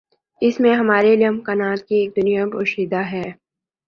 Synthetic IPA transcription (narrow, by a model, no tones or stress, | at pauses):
ɪsmẽɦɐmaːɾelɐmkanaːt̪̚kieːk̚d̪ʊnijapoːʃiːd̪aɦɛː